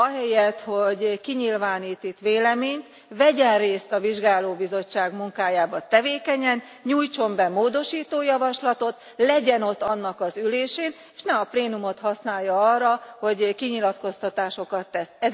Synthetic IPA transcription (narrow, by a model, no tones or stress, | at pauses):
ɒɦɛjɛt̪ho̞ɟkiɲilvaːniːt̪it̪ʋeːlɛmeːɲt̪ | vɛɟɛnreːst̪ɒviʒɡaːloːbizo̞t͡ʃːaːɡmuŋkaːjaːbɒt̪ɛveːkɛɲɛn | ɲuːjt͡ʃo̞mbɛmoːd̪o̞ʃiːt̪oːjɒvɒʃlɒt̪o̞t̪ | lɛɟɛno̞t̪ːɒnːɒkɒzyleːʃeːn | e̥ːʃnɛmɒpleːnumo̞t̪hɒsnaːjːɒɒrɒho̞ɟkiɲilɒt̪ko̞st̪ɒt̪aːʃo̞kɒt̪ːɛsɛz